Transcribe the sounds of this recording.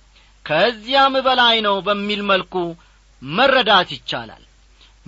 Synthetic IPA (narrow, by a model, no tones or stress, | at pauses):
kʰəɨzːijambəlajnəwbəmːilməlkʼu | mərːəd̪at̪jɪt͡ʃːa̰la̰l